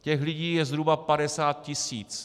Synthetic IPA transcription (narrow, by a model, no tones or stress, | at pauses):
cɛxlɪɟiːjɛzɦɾubapadɛsaːt̪̚cɪsiːt͡s